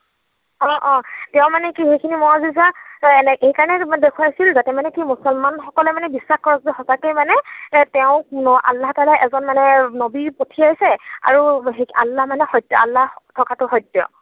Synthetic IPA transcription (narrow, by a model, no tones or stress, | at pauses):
ɔ̃ʔɔ̃tɛʊ̃manɛkixejkʰinimɔɹazizaɛnɛʔejkaɹɔnɛdekʰuwajasilzatɛmanɛkimusɔlmanxɔkɔlɛmanɛbisːaxkɔɹɔkzɛxɔsakejmanɛtɛʊ̃ʔa̰lːaɦtaːlaʔɛzɔnmanɛnobipotʰiaisɛa̰ɹuɦea̰lːahmanɛxɔjtjɔ̰a̰lːahtʰɔkatʊxɔjtːjɔ̰